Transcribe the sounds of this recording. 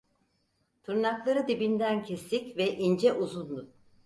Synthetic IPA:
t̪ʰuɾnaklˠaɾɯd̪ibind̪æncʰest̪icvɛʔind͡ʒɛʔuzund̪u

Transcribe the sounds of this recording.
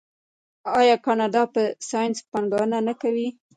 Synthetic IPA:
ɑjɑkɑnɑd̪ɑpəsɑjnspaŋɡɑwənanakawi

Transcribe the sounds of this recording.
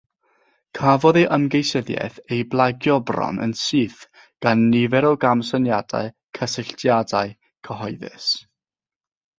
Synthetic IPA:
kʰavɔðeʔəmɡejsəðjɛ̰θejblˠaɡjɔbrɔ̰nə̰nsɨːθ | ɡ̥anːɪvɛɾɔwɡamsənjad̥a̰ɨ | kʰəsɪɬtʰjadaɨ | kʰəɦɔɨðɪ̰s

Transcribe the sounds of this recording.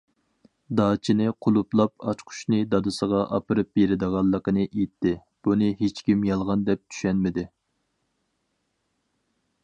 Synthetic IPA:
d̪ɑːt͡ʃʰinɨqʰʊlˠuplˠɑp̚ʰɑt͡ʃqʰʊ̥ʃnɨd̪ɑd̪ɨsəʁɑʔɑ̰pɨɾɨp̚beɾɪd̪əʁɑlˠːəqənɨʔet̪ʰːɪ | b̥unɨɦet͡ʃkʲimjɑlˠʁɑnd̪ɛp̚t̪ʰy̥ʃɛnmɪd̪ɪ

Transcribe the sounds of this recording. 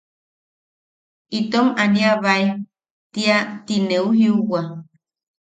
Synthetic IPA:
it̪omaniaβaj | t̪iat̪ineuɦiuwa

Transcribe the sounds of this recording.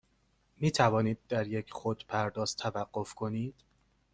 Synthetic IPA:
miːt̪ʰævɒːniːd̪̚ːæɾjecʰxod̪pʰæɾd̪ɒːst̪ʰːævæɢ̥ːofkʰo̞niːd̪̥

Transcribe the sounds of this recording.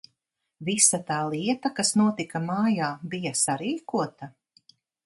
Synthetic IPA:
visat̪aːlˠiɛt̪akasnuɔt̪ikamaːjaːbijasaɾiːkuɔt̪a

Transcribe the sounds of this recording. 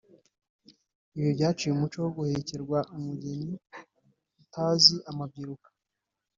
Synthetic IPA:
iβjobɟaːt͡ʃijeumut͡ʃowoɡuhe̞ce̞ɾɡwaʔumuɟe̞ɲi | utʰaːziʔamab̚ɡiɾukḁ

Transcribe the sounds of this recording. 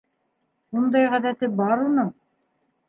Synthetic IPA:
und̪ɑjʁæðæt̪ɘbɑɾunɤ

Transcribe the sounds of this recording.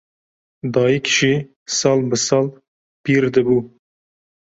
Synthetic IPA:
d̪ɑːjikʲʰʃi | sɑlbəsɑl | piɾd̪ɨbu

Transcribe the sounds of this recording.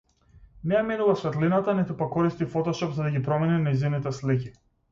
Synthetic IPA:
nɛjaminuvasvɛt̪linat̪anit̪upakːɔɾist̪ifɔt̪ɔʃɔpzad̪aɡʲipɾɔmɛninajzinit̪ɛslic̬i

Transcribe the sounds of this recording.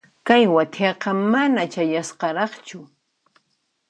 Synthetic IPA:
kajwat̪ʰɑqɑmanat͡ʃajasqɑɾɑχt͡ʃʊ

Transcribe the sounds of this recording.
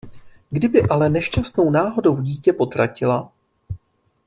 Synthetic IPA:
ɡdɪbɪʔalɛnɛʃt͡ʃast̪no̞wnaːɦo̞do̞wɟiːcɛpo̞t̪ɾʔacɪla

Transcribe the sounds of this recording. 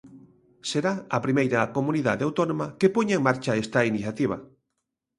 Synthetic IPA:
seɾaɐpɾimejɾɐːkomuniðaðeawt̪onõmɐkepoɲaeŋmaɾt͡ʃaest̪ɐiniθjat̪iβ̞ɐ̰

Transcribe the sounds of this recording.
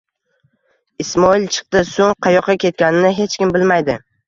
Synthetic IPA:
ɪsmɒɪlt͡ʃʰɨ̥qt̪ɪsoŋqʰɑjɒqːɑkʲʰe̞t̪̚kʲanɪnɪɦe̞t͡ʃkʲɪmbɪlmajd̪ɪ

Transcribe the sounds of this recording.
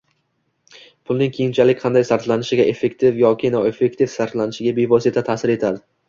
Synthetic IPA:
pʰʊlˠnɪŋkʲʰejɪnt͡ʃʰalɪkʲqʰɑnd̪ajsaɾt̪lanɪʃɪɡʲaʔe̞fːe̞kt̪ʰɪvjɒkʲʰɪnɒwe̞fːe̞kt̪ʰɪfsaɾt̪lanɪʃɪɡʲabevɒsit̪ʰat̪ʰaːsɪɾe̞t̪ʰad̪ɪ

